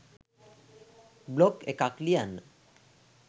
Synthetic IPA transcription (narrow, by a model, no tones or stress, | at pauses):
blokekaklian